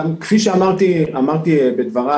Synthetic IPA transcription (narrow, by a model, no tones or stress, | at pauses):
kfiʃeamaʁt̪iamaʁt̪ibed̪vaʁa